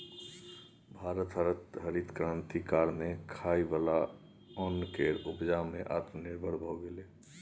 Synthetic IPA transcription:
bʱaɾət̪ɦəɾət̪ɦəɾit̪kɾãːnt̪ikaːɾmekʰaibala | ɔnkeɾubd͡ʒameʔa̰t̪niɾbʱəɽbʱɔɡele

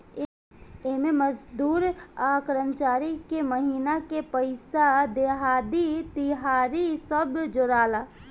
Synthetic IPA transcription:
ememəd͡ʒd̪uːɾaːkɾənt͡ʃaːɾikeməɦiːnakepəɪsad̪eɦaːd̪it̪iɦaːɾisəbd͡ʒoɾaːla

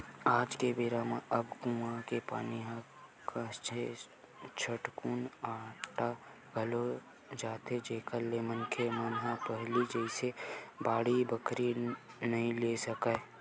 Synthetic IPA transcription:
aːd͡ʒkebɪɾamãʔəbkuãkepa̰ːniɦã | kat͡ʃe | t͡ʃʰəʈkuːnaːʈa | ɡʱəlo | d͡ʒaːt̪ed͡ʒeːkəlemənkʰemənɦãpəɦlid͡ʒɛɪsebaːɽibəkɾinɐɦĩlesəka

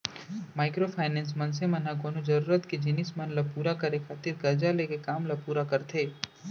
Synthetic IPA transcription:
maːɪkɾopʰaːɪnɛ̃ːns̬mɐns̬emɐnɦaɡoːnod͡ʒɐɾuːɾət̪ked͡ʒɪnɪsmɐnlapuːɾakɐɾekʰaːt̪ɪɾɡɐɾd͡ʒalekekaːmlapuːɾakɐɾt̪ʰeː

